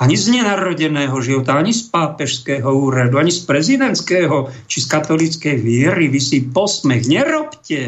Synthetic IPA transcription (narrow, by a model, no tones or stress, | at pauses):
aɲizɲɛnaɾɔɟɛnɛːɦɔʒiʋɔt̪aaɲispaːpɛʃskɛːɦɔuːɾad̪uaɲispɾɛzid̪ɛnt̪skɛːɦɔt͡ʃiskat̪ɔlit͡skɛjʋɪɛɾiʋisipɔsmɛxɲɛɾɔpcɛ